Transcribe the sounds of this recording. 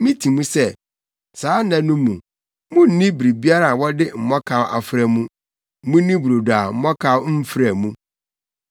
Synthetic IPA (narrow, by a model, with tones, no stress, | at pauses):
mĩ˦tʰi˨mũ˦sɛ˦ | saː˨˦nã˨nũ˦mːũ˨ | mũ˦n̩˨nĩ˦bɾi˨bi˦a˦ɾa˨wɔ˦dɪ˦m̩˨mɔ˦kʰa˦wʔa̰˨fɾɛ˦mũ˦ | mũ˦nĩ˦bu˨ɾo˨da˨m̩˦mɔ˦kʰa˦wm̩˦fɾæ˨mũ˦